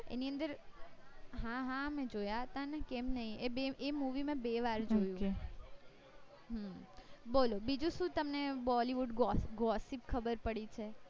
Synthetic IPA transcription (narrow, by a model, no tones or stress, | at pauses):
ḛniə̃nd̪əɾ | ɦãɦãəmẽd͡ʒojaɦət̪anɛkemnəɦĩebeʔemuʋimãbeʋaɾd͡ʒojũe | ɦəbolobid͡ʒũʃũt̪əmnebɔliʋuɖɡɔsɡɔsipkʰəbəɾpəɽit͡ʃʰe